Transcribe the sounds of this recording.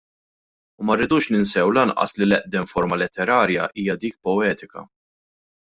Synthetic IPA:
umɐrːɪːd̪uːʃnɪnsɛwlɐnʔɐ̰slilɛʔd̪ɛmfɔɾmɐlɛt̪ːɛɾɐːɾjɐ̰ʔiːjɐd̪iːk̚pɔɛːt̪ɪkɐ̰

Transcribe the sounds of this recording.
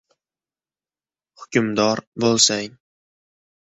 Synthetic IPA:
hʊkʲʊmd̪ɒɾbolˠsaŋ

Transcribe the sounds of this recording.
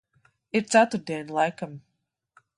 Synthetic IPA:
iɾt̪sat̪uɾd̪iɛnʲlˠajkam

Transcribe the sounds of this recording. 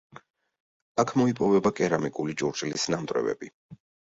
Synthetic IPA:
akʰmɔipʼɔvɛbakʼɛɾamikʼulit͡ʃʼuɾt͡ʃʼlisnamt̪ʼɾɛ̰vɛ̰bi

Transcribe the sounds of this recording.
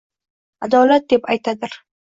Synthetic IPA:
ad̪ɒlat̪̚d̪e̞pajt̪ʰad̪ɪɾ

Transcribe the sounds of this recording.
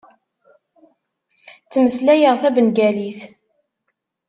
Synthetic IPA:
t͡sːməslæjəʁθæbənɡæliθ

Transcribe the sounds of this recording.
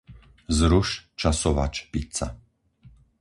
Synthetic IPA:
zɾuʃt͡ʃasɔʋa̰t͡ʃpit̪sa̰

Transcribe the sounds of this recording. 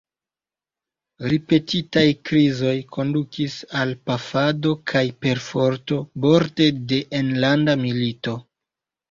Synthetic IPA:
ɾipe̞titajkɾizo̞jkʰo̞ndukʰisalpafado̞kʰajpe̞ɾfo̞ɾto̞bo̞ɾte̞de̞ʔenlandamilito̞

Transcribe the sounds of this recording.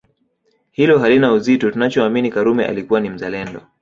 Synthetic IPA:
hilɔɦalinauzitɔtunat͡ʃɔaminikaɾumɛʔa̰likuwanim̩zalɛndɔ

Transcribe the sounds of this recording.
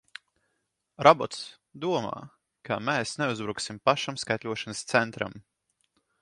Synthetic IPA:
ɾabɔt̪s | d̪uɔma̰ː | kʰameːsneuzbɾuksimpaʃamskajt̪lʲuɔʃanəst̪sɛnt̪ɾa̰m

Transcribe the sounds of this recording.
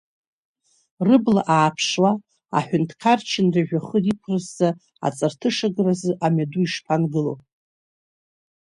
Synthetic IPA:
rɨbla̰ʔaːpʰʂwa | a̰ħʷᶣʊntʰkʰart͡ʃʰɪnrɨʒᶣaχəripʷʰrɨzːa | a̰t͡sʼartʰɨʂaɡrazɨʔamaduiʂpʰanɡɨlowpʼ

